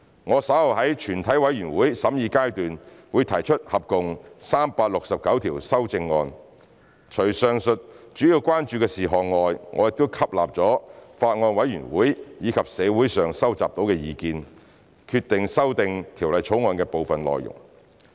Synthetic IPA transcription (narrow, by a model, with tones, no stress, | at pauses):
ŋɔː˨˧sɐ˨˥hɐ˨wɦɐ˨˥jt͡ʃʰyː˨˩nt̪ʰɐ˨˥jwɐ˨˥jyː˨˩nwuː˨˥jsɐ˨˥mjiː˨˧kaː˥jt̪yː˨nwuː˨˧jt̪ʰɐ˨˩jt͡ʃʰɵ˥t̚hɐ˨p̚kʊ˨ŋsaː˥mpaː˧k̚lʊ˨k̚sɐ˨p̚kɐ˨˥wt̪ʰiː˨˩wsɐ˥wt͡sɪ˧ŋːɔː˧n | t͡ʃʰɵ˨˩ɥsœː˨ŋsɵ˨t̚t͡ʃyː˨˥jiː˧wkʷwaː˥nt͡ʃyː˧kɛː˧siː˨˩ɦɔː˨ŋŋɔː˨˧jŋʔɔ̰ː˨˧jɪ˨k̚t̪o˥wkʰɐ˥p̚la̰ː˨p̚t͡sɔː˨˥faː˧t̚ŋɔː˧nwɐ˨˥jɥyː˨˩nwuː˨˥jjiː˨˧kʰɐ˨p̚sɛː˨˧wuː˨˥jsœː˨˩ŋsɐ˥wt͡sa̰ː˨p̚t̪o˨˥wkɛː˧jiː˨˧kiː˨˧n | kʰyː˧t̚t̪ːɪ˨ŋsɐ˥wt̪ɪ˧ŋt̪ʰiː˨˩wlɐ˨jt͡ʃʰo˨˥wŋɔː˧nkɛː˧po˨wfɐ˨nlɔ̰ː˨jʊ̰˨˩ŋ